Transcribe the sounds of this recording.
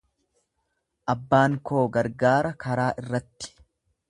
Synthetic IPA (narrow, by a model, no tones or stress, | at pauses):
ʔɐbːaːŋko̞ːɡɐɾɡaːɾɐkɐɾaːʔɪrːɐt̪ːɪ̥